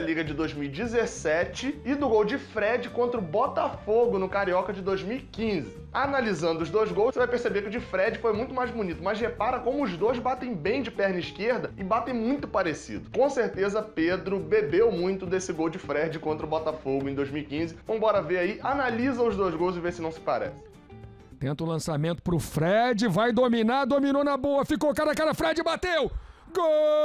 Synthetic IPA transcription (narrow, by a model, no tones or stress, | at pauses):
ɐliɡɐd͡ʒɪd̪ojzmiwid͡ʒɪzesɛt͡ʃɪɪd̪ʊɡowd͡ʒɪfɾɛd͡ʒɪkõnt̪ɾʊbɔt̪ɐfoɡʊnʊkaɾiɔkɐd͡ʒɪd̪ojzmiwikĩzɪ | analizɐ̃nd̪ʊʊzd̪ojzɡowssevajpeɾsebekɪʊd͡ʒɪfɾɛd͡ʒɪfojmũj̃t̪ʊmajzbunit̪ʊmɐzhepaɾɐkõmʊʊzd̪ojzbat̪ẽj̃bẽj̃d͡ʒɪpɛɾnɐiʃkeɾd̪ɐɪbat̪ẽj̃mũj̃t̪ʊpaɾesḭd̪ʊkõseɾt̪ezɐped̪ɾʊbebewmũj̃t̪ʊd̪esɪɡowd͡ʒɪfɾɛd͡ʒɪkõnt̪ɾɐʊbɔt̪afoɡʊẽd̪ojzmiwikĩzɪvõĩbɔɾɐveaiʔanalizɐʊzd̪ojzɡowzɪvesɪnɐ̃w̃sɪ̥pa̰ɾɛ̰sɪ̥̃ | t̪ẽnt̪ʊlɐ̃samẽnt̪ʊ̥pɾʊfɾɛd͡ʒɪvajd̪ominad̪ominonɐboɐfikokaɾɐkaɾɐfɾɛd͡ʒɪbat̪ew | ɡo